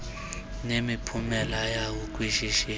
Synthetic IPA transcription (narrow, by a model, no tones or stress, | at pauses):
nemipʰumɛlajawuk̬ʼwiʃiʃi